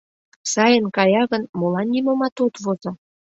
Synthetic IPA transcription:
sɑjənkɑjɑɣənmolɑnːimomɑt̪ot̪vozo

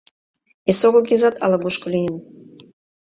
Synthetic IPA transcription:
esoɣəkʲezɑt̪ɑ̰lɑluʃkolijəm

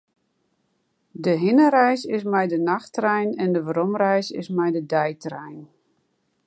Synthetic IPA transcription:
dəɦɪnəɾɛjsɪs̬mɛjdənaxtrɛjnɛndəʋrɔmrɛjsɪ̰smɛjdədɛjtrɛjn

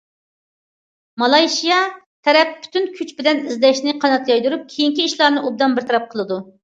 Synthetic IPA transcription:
mɑlˠɑjʃijɑ | t̪ʰɛɾɛp̚ːʰy̥t̪ynkʲʰyt͡ʃbɪlɛnizd̪ɛʃnɪqʰɑnɑt̪jɑjd̪uɾup̚kʲʰejiŋkʲiiʃlˠɑɾnɨʔub̚d̪ɑnbɪɾt̪ʰɑɾɑp̚qʰəlˠɨd̪u

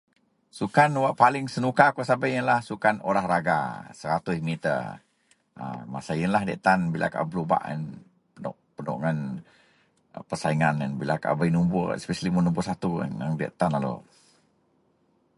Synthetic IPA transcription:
sukanwaʔpalɪŋsənukakosabajənlahsukanoɾahraɡa̰səɾat̪ʊsmit̪ə̰ | a̰masajənlahdɛ̰ʔt̪anbilʔa̰ka̰ʔbluba̰ʔə̰n | pənɔ̰ʔpənɔ̰ʔŋan | pəsaiŋanənbila̰ka̰ʔbainumbʊɛ̰spɛsalimənumbʊsat̪ṵŋə̰ŋdɛ̰ʔt̪analo̰

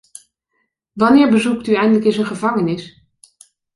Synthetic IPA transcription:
ʋɑnɪːɹbəzuktyɛjndələkɪnsənχəvɑŋənɪs

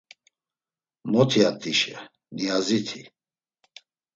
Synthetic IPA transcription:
mɔt̪ʰiat̪ʼiʃɛ | niazit̪ʰi

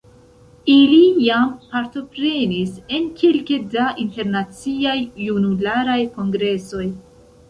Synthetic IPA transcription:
ilijampaɾto̞pɾe̞nise̞nkʰelkedaʔinte̞ɾnat͡siajːunulaɾajko̞ŋɡɾe̞so̞j

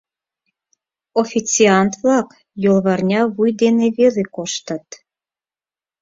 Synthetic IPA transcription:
ofʲit͡siɑnt̪vlɑk | jolˠβɑrnʲɑβujd̪eneβelekoʃt̪ə̆t̪

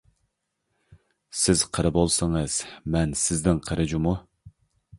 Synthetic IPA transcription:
sɪz̥qʰəɾɨbolˠsəŋəz̥mɛnsɪznɪŋqʰəɾʔɪd͡ʒimu

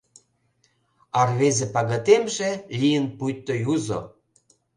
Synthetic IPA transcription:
ɑrβezepɑɣɑt̪emʒelʲijənpujt̪ːojuzo̰

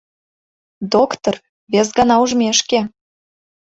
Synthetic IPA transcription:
d̪okt̪or | βes̬ɡɑnɑuʒmʲeʃke

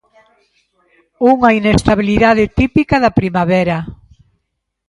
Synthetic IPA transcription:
uŋɐinest̪aβiliðaðɪt̪ipikɐðɐpɾimaβɛɾɐ

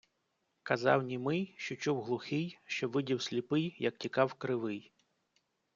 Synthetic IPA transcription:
kɐzɑ̰wnʲimɪjʃt͡ʃɔt͡ʃuwɦlˠʊxɪjʃt͡ʃɔʋɪdʲiwsʲlʲipɪjjɐk̚tʲikɑwkɾɪʋɪj

